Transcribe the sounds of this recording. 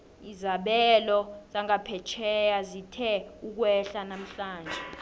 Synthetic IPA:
izaɓɛlɔz̥aŋapʰɛt͡ʃʰɛjazitʰɛuk̬wɛɬanam̩ɬaːnd͡ʒʱɛ

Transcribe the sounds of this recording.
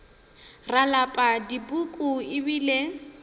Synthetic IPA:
ralapʼadibukʼuɪbiːle

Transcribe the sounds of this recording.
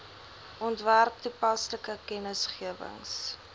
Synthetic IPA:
ʔɔntværk̚tupɐsləkəkɛnəsχiəvə̰ŋs

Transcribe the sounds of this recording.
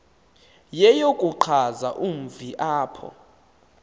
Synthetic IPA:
jɛjokʼuǃʰazaʔum̩viʔaːpʰɔ̰

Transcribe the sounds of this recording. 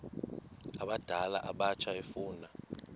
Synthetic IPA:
aɓad̥ʱalaʔaɓat͡ʃʰaefuːna

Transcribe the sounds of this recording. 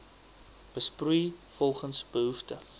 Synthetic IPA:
b̥əsprujfɔlˠχənsb̥əɦuftə

